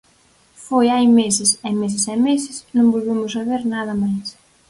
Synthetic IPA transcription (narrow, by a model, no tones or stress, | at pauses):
fojajmesɪsɛmes̬ɪsɛmesɪsnõŋbolβemʊsaβeɾnaðɐmajs